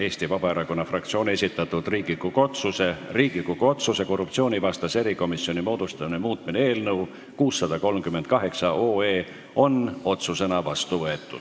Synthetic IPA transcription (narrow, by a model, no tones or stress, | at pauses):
e̞ːsʲt̪ivɑbɑeɾɑko̞nːɑfrɑk̚t̪sio̞ːne̞sʲit̪ːˑɑt̪ːud̪riːɡ̥ikːuko̞t̪suse̞riːɡ̥ikukoo̞t̪suse̞ko̞rːup̚tsio̞ːnʲivɑst̪ɑse̞ɾiko̞misio̞nʲimo̞ːd̪̥ust̪ɑminemuːt̪̚mineeːlnɤw | kuːsːɑd̪̥ɑko̞lmkymed̪̥̚kɑɦe̞ksɑo̞ːe̞ː | o̞no̞t̪suse̞nɑvɑst̪uvɤe̞t̪ːˑṵd̥̪